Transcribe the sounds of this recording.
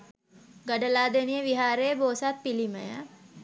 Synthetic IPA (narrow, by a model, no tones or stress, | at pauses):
ɡɐɖəlaːd̪enijeʋiɦaːɾejəboːsat̪̚piliməja